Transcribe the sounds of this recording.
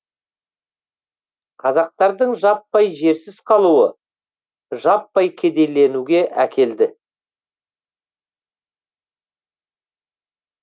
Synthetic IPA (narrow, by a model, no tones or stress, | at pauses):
qʰɑzɑq̚t̪ɑɾd̪əɴʒɑpːɑjʒe̞ɾsɪz̥qʰɑlˠuwə | ʒɑpːɑjkʲʰe̞d̪e̞jle̞nuɡʲe̞ʔækʲʰe̞ld̪ɪ